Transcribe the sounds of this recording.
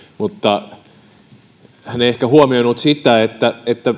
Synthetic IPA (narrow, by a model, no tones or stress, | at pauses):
mut̪ːɑ | hæneiehkæhuomioinut̪sit̪æet̪ːæet̪ːæ